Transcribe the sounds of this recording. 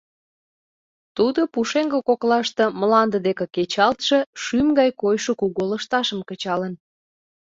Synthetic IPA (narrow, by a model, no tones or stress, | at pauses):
t̪ud̪opuʃeŋɡəkoklɑʃt̪ĕməlɑnd̪əd̪ekĕket͡ɕɑlt̪ʃeʃymɡɑjkojʃokuɣoləʃt̪ɑʃəmkət͡ɕɑlən